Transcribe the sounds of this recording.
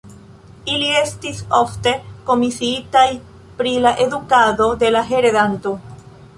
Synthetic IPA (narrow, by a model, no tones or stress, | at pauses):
iliest̪isoft̪eko̞misiit̪aj | pɾilaʔeðukaðo̞ðe̞laɦeɾeðant̪o